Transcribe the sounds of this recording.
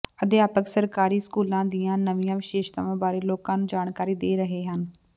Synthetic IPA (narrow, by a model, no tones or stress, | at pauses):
əd̪ɪaːpəksəɾkaːɾiːskuːlãːd̪ijãːnəʋɪjãːʋɪʃeːʃt̪a̰ːʋãːbaːɾeːloːkãːnũːd͡ʒaːɳkaːɾiːd̪eːɾəɦeːɦən